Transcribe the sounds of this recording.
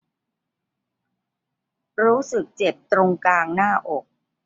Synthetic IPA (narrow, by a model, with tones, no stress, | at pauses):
ɾuː˦˥sɯ˨˩k̚t͡ɕe˨˩p̚t̪ɾo˧ŋkaː˧ŋnaː˥˩ʔo˨˩k̚